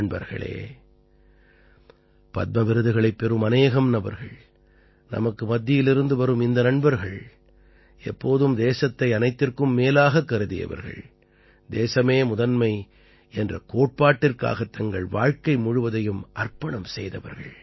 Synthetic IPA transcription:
ɳbɐ̰ɾɣɐ̰ɭḛː | pɐt̪̚mɐʋɪɾɯðɯɣɐɭɐɪpːɛɾɯmɐneːɣɐmnɐʋɐɾɣɐ̰ɭ | nɐ̰mɐkːɯmɐd̪ːɪjɪlɪɾɯnd̪ɯʋɐɾɯmɪnd̪ɐnɐɳbɐɾɣɐɭ | ɛpːoːðɯmd̪eːsɐt̪ːɐɪɐnɐɪt̪ːɪrkɯmːeːlaːɣɐkːɐɾɯðɪjɐ̰ʋɐ̰ɾɣɐ̰ɭ | d̪eːsɐmeːmʊðɐnmɐɪ | ɛndrɐkoːʈ̚paːʈːɪrka̰ːɣɐt̪ːɐŋɡɐɭʋaːɻkɐɪmʊɻʊʋɐðɐjɯmʔɐrpːɐɳɐmsɛjðɐ̰ʋɐ̰ɾɣɐ̰ɭ

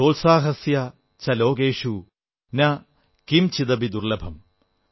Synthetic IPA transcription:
toːlsaːɦɐsjɐ | t͡ɕɐloːɡeːʂu | nɐ | kimt͡ɕid̪ɐbid̪urlɐbʱɐm

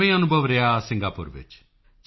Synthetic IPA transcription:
ejɔnubʱɔbɾeasiŋɡapṵɾʋḛt͡ʃ | s

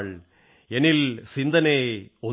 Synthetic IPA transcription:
ɭ | enilsind̪ɐneːo

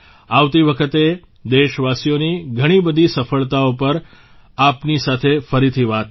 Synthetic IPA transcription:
aʋt̪iʋəkʰət̪e | d̪eʃʋasijoniɡʱəɽ̃ibəd̪ʱisəfəɭt̪aopəɾ | apnisat̪ʰefəɾit̪ʰiʋat̪

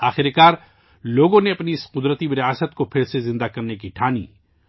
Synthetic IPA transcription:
aːxɪɾkaːɾ | loːɡõneɐpniɪsqʊd̪ɾət̪iʋɪɾɪjaːsət̪kopʰɪɾsezɪ̃nd̪akɐɾnekiʈʰaːnḭː

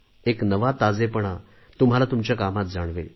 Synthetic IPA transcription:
eknəʋat̪ad͡zepəɳa | t̪um̤alat̪umt͡ɕjakamat̪̚d͡zaɽ̃ʋḛl

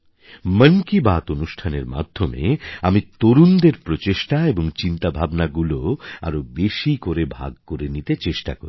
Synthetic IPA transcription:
məŋkibat̪onuʃʈʰaneɾma̰d̪ʱːomḛamit̪oɾund̪eɾpɾot͡ɕeʃʈaeboŋt͡ɕint̪abʱabnaɡuloa̰ɾobeʃikoɾebʱa̰ɡkoɾenit̪et͡ɕeʃʈa̰koɾii

